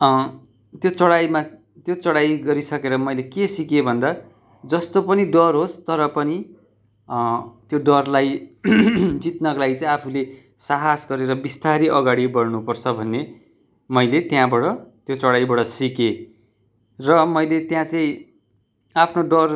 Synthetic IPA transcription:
t̪jot͡sʌɽajma | t̪jot͡sʌɽajɡʌɾisʌkeɾʌmʌjlekesikebʱʌnd̪a | d͡zʌst̪opʌniɖʌrɦost̪ʌɾʌpʌni | t̪joɖʌrlaj | d͡zit̪nʌklajt͡saĩapʰule | saɦasɡʌɾeɾʌbist̪aɾiʔʌɡaɽibʌrnupʌrt͡sʰʌbʱʌnːe | mʌjlet̪jãbʌɽʌt̪jot͡sʌɽajbʌɽʌsike | rʌmʌjlet̪jãt͡sʌĩ | apʰnoɖʌr

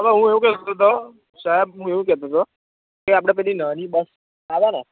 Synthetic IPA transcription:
əʋaɦũeũkɛt̪t̪ot̪o | saɦɛbɦũeũkɛt̪ot̪o | keap̬ɽ̃ap̬ɛlinənĩbəs | aʋana

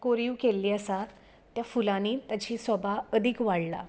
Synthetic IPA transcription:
koɾiuwkelːiːəsat̪ː | jafulaniːt̪jat͡ɕiːsɔbaəd̪ʱikʋaɽla̰

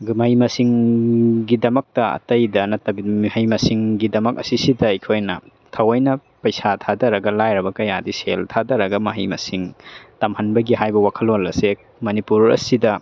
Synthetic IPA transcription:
mɐhimɐsiŋ | ɡidɐmɐk̚tɐɐ̰tɐjdɐnɐtɐbimihɐjmɐsiŋɡidɐmɐk̚ɐ̰sisidɐɐjkʰojnɐ̰ | tʰɐwɐjnɐ | pɐjsatʰadɐɾɐɡɐlajɾɐbɐkɐjadiseltʰadɐɾɐɡɐmɐɦijmɐsiŋtɐmhɐnbɐɡiɦajbɐwakʰɐlolɐsek̚ | mɐnipuɾɐ̰sidɐ

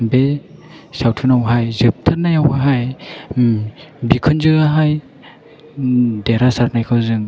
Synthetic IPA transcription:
be | sawtʰɯnawɦajzɯp̚tʰaɾnajawɦaj | bikʰɯnzɯaɦaj | deɾasaɾnajkʰɯwzɯŋ

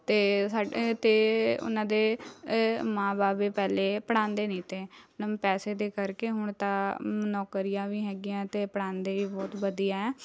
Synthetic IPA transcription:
t̪eːsaːt̪eːʊ̰nãːd̪eː | mãːbaːbeːpɛːleːpəɽãːnd̪eːnĩːt̪eːəəbpɛːseːd̪eːkəɾkeːɦʊɳt̪ãːmənɔːkəɾɪjãːʋiːɦɛːɡɪjãːt̪eːpəɽãːnd̪eːʋiːbɔːt̪bəd̪ijaːɛː

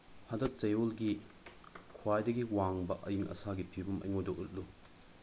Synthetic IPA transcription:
hɐdɐt̚t͡ʃɐjolɡi | kʰwajdɐɡiwaŋbɐʔɐjiŋʔɐ̰saɡipʰibumɐ̰jŋojdɔʔut̚lu

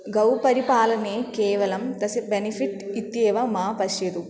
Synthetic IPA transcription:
ɡɐwpɐɾipaːlɐneːkeːʋɐlɐmd̪ɐsɐbenipʰiʈit̪jeːʋɐmaːpɐʃjɐd̪u

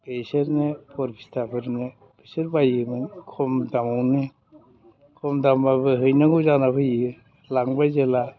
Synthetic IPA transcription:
peseɾnepʰɔɾpʰi̥stʰapʰɯɾnɯ | peseɾbajɯmɯnkʰɔmdamawnɯ | kʰɔmdambabɯɦɯjnaɡɯzanapʰɯjɯ | laŋbajzela

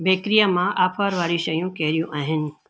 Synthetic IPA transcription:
beːkɾijamãʔaːpʰaːɾʋaːɾiʃɐjũkɛːɾijũʔaːɦɪnɪ̆

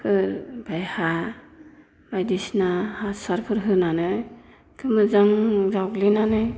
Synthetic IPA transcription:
hɯɾbajha | bajdisnahasaɾpʰɯɾɦɯnanɯ | kʰɯmɯzaŋzawklinanɯ

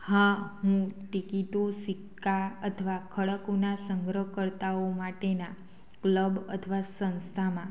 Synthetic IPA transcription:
hãɦũʈikiʈosikːaət̪ʰʋakʰəɭəkonasəŋɡɾəkəɾt̪aomaʈena | kləbə̰t̪ʰʋasə̃nst̪ʰamã

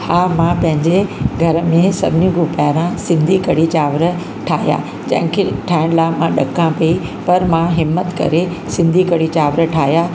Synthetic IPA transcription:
hãːmãpɐ̃ɦɪ̃ɲd͡ʑeɡʱɐɾəmẽsɐbʱɪnĩɡupaːɾãsɪ̃nd̪ʱikɐɽit͡ɕaːʋɾə | ʈʰaːɦija̰ | d͡ʑɐ̰̃ɦɪ̃kʰeʈʰaːɪɽ̃laːmãɗɐkãpɐi | pɐɾmãɦɪmːət̪kɐ̰ɾe | sɪ̃nd̪ʱikɐɽit͡ɕaːʋɾəʈʰaːɦjaː

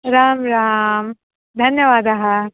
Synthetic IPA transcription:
ɾaːmɾaːm | d̪ʱɐnjɐʋaːd̪ɐɦɐ

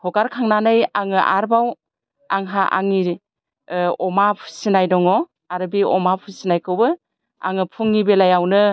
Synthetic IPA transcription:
hʰɔkaɾkʰaŋnanɯjaŋɯʔa̰ɾbaw | aŋɦaʔa̰ŋi | ɔmapʰu̥sinajdɔŋɔ | aɾɯbiʔɔmapʰusinajkʰɯwbɯ | a̰ŋɯpʰuŋːibelajawnɯ

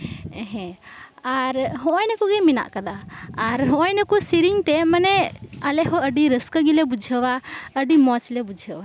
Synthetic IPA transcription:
ɛɦɛ̃aɾɦɔ̃ʔɔjnakuɡɛmina̰ʔkad̪aːɾɦɔ̃ʔɔjnakusiɾiŋt̪ɛmanɛəlɛɦɔəɖiɾəskəɡilɛbud͡ʒʱəwaəɖimɔt͡ʃlɛbud͡ʒʱəwa

